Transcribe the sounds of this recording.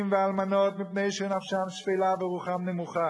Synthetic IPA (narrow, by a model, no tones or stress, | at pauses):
mvɪalmanɔtmɪpneɪʃunafʃamʃvilavɪʁuχamnɛmuχa